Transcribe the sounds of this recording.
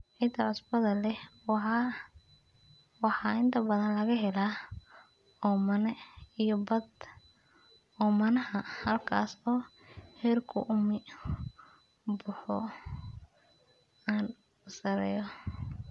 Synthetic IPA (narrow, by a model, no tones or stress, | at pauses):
ʕɪd̪ʰɐʕʊsbɐðɐlɛh | wɑħɑːɪnt̪ʰɐbɐðɐnlɐɣɐɦɛlaː | ɔːmɐnɛijɔbɐd̪ | ɔːmɐnɐɦɐhɐlkʰa̰ːsɔː | hɛːrkʰʊ̰ʔʊmɪ | bʊħɔ̰ | aːn | ʊsɐɾɛ̰ːjɔ